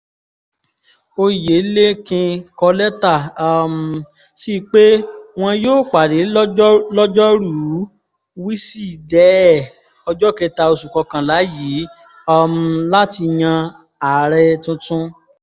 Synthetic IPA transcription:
o˧je˨˦le˦kĩ˧kɔ˧lɛ˦ta˦˨˧m̩˧ | si˦˧k͡pe˦w̃ɔ̃˧joː˦˨k͡pa˨de˨˦lɔ˦d͡ʒɔ˦ɾu˦ | wi˦si˦˨dɛ˨˦ɛ˦˨ | ɔ˧d͡ʒɔ˦ke˧ta˧o˧su˨kɔ˧kã˨la˨˦ji˨˦ | ɔ˧m̩˧la˦ti˧j̃ã˧ | a˨ɾɛ˧tũ˦tũ˦

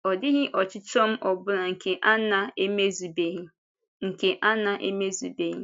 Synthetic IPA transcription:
ɔ˨dɪ˦ɦɪ˦ʔɔ˨t͡ʃɪ˦t͡ʃɔ˦m̩˦ʔɔ˨bʊ˦na˨ŋ̩˨ke˨ʔa˦na˨e˦me˦zu˨be˨ɦi˦ | ŋ̩˨ke˨ʔa˦na˨ʔe˦me˦zu˨be˨ɦi˦

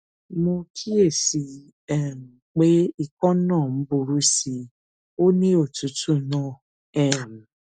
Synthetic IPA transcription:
mo˧kʰi˦e˦˨si˨˧ | ɛ˦˨m̩˨k͡pe˦i˧˨kɔ̃˦nãː˦˨m̩˨˦bu˧ɾu˦si˧ | o˦nĩ˦o˦˨tu˨˦tũ˦˨˦nɔ̃˦˨ | ɛ˦˨m˨

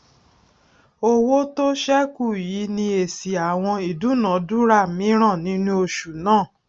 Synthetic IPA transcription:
o˦wo˦to˦ʃɛ˦ku˦˨ji˨˦nĩ˧e˨si˨a˨w̃ɔ̃˧i˨du˨˦nã˨˦du˦ɾa˦˨mĩ˨˦ɾ̃ã˦˨nĩ˨˦nũ˦o˧ʃu˨nãː˦˨

